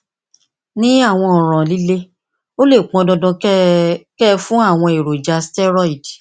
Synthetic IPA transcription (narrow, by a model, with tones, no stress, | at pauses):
nĩ˦a˦˨w̃ɔ̃˧ɔ˨ɾ̃ɔ̃˨li˦le˦ | o˦le˦˨k͡pɔ̃˧dɔ̃˧dɔ̃˧ | kɛ˦fũ˦a˦˨w̃ɔ̃˧e˨ɾo˨d͡ʒa˨˧stɛ˦ɾɔ˦i˨d